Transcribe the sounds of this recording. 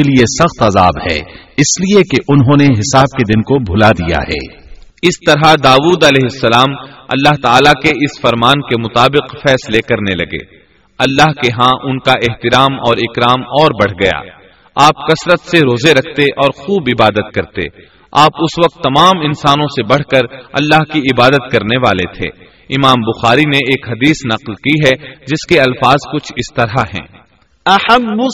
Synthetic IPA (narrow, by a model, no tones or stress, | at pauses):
eliesɐxt̪ɐzaːbhɛ̰ːɪsliekeʔʊnɦõːneɦɪsaːb̚ked̪ɪnkobʱʊlad̪ija̰ɦɛ̰ː | ɪst̪ɐɾad̪aːʋuːd̪ɐlɛːɦɪsːɐlaːmɐ̰lːaɦt̪aːlakeɪsfɐɾmaːnkemʊt̪aːbɪqfɛːslekɐɾnelɐɡḛː | ɐlːaɦkeɦãʔʊnkaʔɪɦt̪ɪɾaːmɔːɾɪkɾaːmɔːɾbɐɽ̤ɡɐja̰ː | aːp̚kɐsɾət̪seɾoːzeɾɐkʰt̪eʔɔːɾxuːbɪbaːd̪ət̪̚kɐɾt̪ḛː | aːpʊsʋɐq̚t̪ːɐmaːmɪnsaːnõsebɐɽ̤kɐɾɐ̰lːaːɦkiɪbaːd̪ət̪kɐɾneʋaːlet̪ʰḛː | ɪmaːmbʊxaːɾineeːkɦɐd̪iːsnɐqlkiɦɛd͡ʒɪskeɐlfaːzkʊt͡ʃʰɪst̪ɐɾaɦɛ̰̃ː | ɐhɐbː